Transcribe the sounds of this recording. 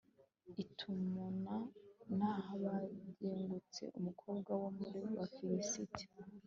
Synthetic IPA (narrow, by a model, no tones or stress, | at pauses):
itʰumunanhahaβaɟeːŋɡut͡se̞̰ʔumukʰo̞ːbɡwawomuɾiwakiɾisitʰi̥